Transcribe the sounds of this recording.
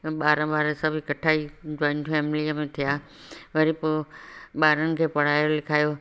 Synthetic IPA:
ɓaːɾə̃ɓaːɾə̃sɐbʱikɐʈʰaːid͡ʑɔ̃ːɪnʈfɛːmɪliəmẽt̪ʰijaː | ʋɐɾipoɓaːɾənɪ̆kʰeːpɐɽ̤aːjolɪkʰaːjo

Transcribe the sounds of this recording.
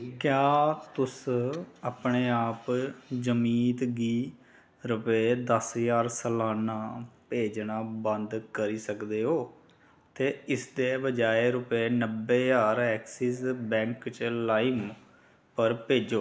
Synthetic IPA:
kjaːt̪ʊsaːpɳeːaːpd͡ʒəmiːt̪ɡiː | ɾʊpeːd̪əsjaːɾsəlaːnaːpeːd͡ʒnaːbənd̪kəɾiːsəkd̪eːɦoː | t̪eːɪsd̪eːbəd͡ʒaːeːɾʊpeːnəbːeːjaːɾɛːksiːsbɛ̃ːŋkt͡ʃlaːim | pəɾpeːd͡ʒoː

